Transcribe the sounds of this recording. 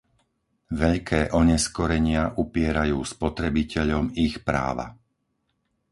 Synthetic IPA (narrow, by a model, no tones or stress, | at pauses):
ʋɛʎkʰɛːʔɔɲɛskɔɾɛɲɪaʔupɪɛɾajuːspɔt̪ɾɛbicɛʎɔmixpɾa̰ːʋa̰